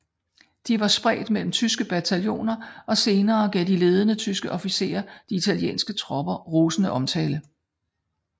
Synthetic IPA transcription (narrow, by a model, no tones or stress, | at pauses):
d̥iʋɑ̈sb̥ʁɛ̰ːd̥mel̰m̩t͡sʰysɡ̥əb̥æt͡sʰæljo̝̰ːnɐʔɒ̽se̝ːnɐːɡ̥ɛd̥ile̝ːð̞ˠənət͡sʰysɡ̥əʔɒ̽fise̝̰ːɐd̥iit͡sʰæljḛːnsɡ̥ət͡sʰʁɒb̥ɐʁoːsnəʔɒ̽mt͡sʰɛːlə